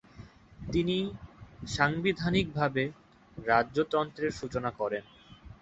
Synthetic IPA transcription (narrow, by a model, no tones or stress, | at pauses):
t̪iniʃaŋbid̪ʱanik̚bʱabe | ɾaːot̪ɾɔnt̪ɾeɾʃut͡ɕonakɔɾen